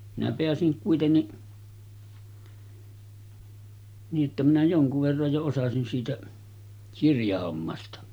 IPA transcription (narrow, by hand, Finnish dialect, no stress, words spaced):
minæ peæsiŋ kuitenːi niːʔ ʔetːæ minæ joŋkuʋ ʋerːɑj jo osɑsin siːtæ kirjɑhomːɑstɑ